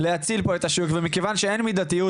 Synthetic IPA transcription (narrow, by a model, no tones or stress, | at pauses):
lehat͡silpo̞et̪aʃukvemikevanʃee̞nmid̪at̪iju